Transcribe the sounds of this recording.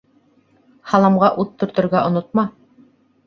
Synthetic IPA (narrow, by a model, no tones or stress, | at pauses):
hɑlˠɑmʁɑʔut̪ːŏɾt̪ŏɾɡæʔŏnot̪̚mɑ